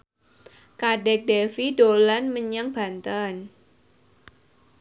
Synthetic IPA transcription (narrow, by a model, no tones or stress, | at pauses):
kaɖɛk̚dɛfidolanməɲaŋb̥a̤nt̪ən